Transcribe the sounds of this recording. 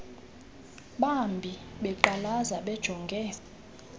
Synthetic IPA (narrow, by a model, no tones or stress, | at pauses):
ɓambʱi | ɓɛǃalazaɓɛd̥ʒ̥ʱɔŋɡʱɛː